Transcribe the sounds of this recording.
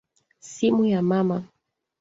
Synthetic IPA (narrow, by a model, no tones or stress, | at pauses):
simujamama